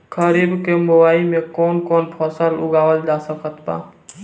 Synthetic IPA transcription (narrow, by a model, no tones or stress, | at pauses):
kʰəɾiːbkemʊwaːimẽkɔːnkɔːnpʰɔːsəlʊ̰ɡaːwəld͡ʒaːsəkət̪ba̰ː